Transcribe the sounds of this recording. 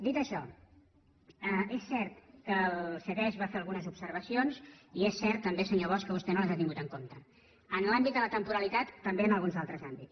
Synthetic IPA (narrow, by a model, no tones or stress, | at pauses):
d̪it̪əʃɔ | əesːɛɾt̪kəlsəɣɛʒβafeəlˠɣunəzupsəɾβ̞əsionziesːɛɾt̪ːəmbesəɲoβ̞ɔskəβ̞ust̪ɛnoləzat̪iŋɡut̪əŋkomt̪ə | ənlambit̪d̪ələt̪əmpuɾəlit̪at̪ːəmbeənəlˠɣunzalˠt̪ɾəzambits